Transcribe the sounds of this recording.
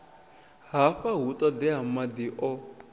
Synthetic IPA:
ɦafaɦut̪ʼɔd̪iɦamad̪iʔɔ

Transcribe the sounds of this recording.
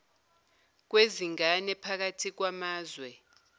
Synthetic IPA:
k̬weziŋanɛpʰak̬atʰik̬wamaːzwɛ

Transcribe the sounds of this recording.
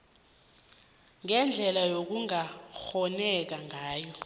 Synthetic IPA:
ŋɛnd͡ɮʱɛlajok̬uŋaxɔnɛk̬aŋʱaːjɔ

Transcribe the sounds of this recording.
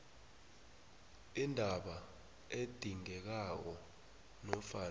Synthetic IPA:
indʱaɓa | ed̥ʱiŋɛk̬ak̬ɔ | nɔfaː

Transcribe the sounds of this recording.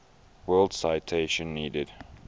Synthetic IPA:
wɜːld̥saɪtʰeɪʃə̃nːiːdɪd̥

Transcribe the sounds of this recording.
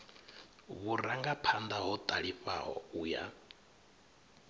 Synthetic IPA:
βuɾaŋɡapʰand̪aɦɔt̪ʼaɺiɸa̰ɦɔ̰uːja̰

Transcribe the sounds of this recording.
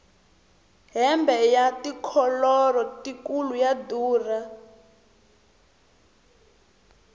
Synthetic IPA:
ɦɛmbɛjatikʰɔlɔrɔtikulujaduːra

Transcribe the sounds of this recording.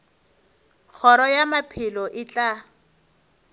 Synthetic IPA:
k͡xʰɔɾɔjamapʰɪlɔʔɪt͡ɬʼa

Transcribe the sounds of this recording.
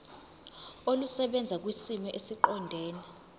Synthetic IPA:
olusɛɓɛnd͡zʱak̬ʼwisimɛʔesiǃɔndʱɛːni

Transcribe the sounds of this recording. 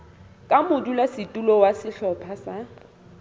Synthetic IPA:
kʼamʊdulasɪtʼulɔwasɪɬɔpʰasa

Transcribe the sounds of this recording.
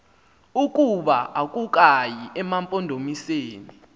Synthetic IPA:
uk̬ʼuɓaak̬ʼuk̬ʼajiʔɛmampʼɔndʱomiseːni

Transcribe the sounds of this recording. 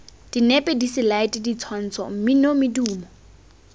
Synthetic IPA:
d̥inɛpʼɛdisɪlaɪtʼɪdit͡sʰwan̩t͡sʰɔ̰m̩mɪnomɪduːmɔ

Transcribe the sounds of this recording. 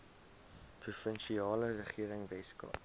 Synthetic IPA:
prufənʃiɑːlərəχiəɾəŋvɛskɑ̰

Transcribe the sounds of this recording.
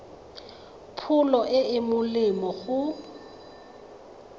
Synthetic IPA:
pʰʊlɔʔɪɪmʊlɪmɔɣʊ

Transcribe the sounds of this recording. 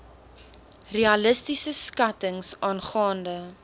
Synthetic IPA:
reɐləstisəskɐtəŋsɑːnχɑːndə

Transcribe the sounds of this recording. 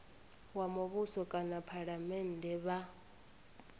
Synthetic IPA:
wamuβusɔkʼanapʰaɺamɛndʱɛβa

